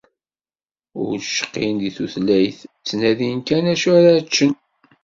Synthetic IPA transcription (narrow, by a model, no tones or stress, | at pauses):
ʊ̰ɾʃə̥qːind̪iθuθlæjθt͡sːnæðinkænæʃæɾat͡ʃːən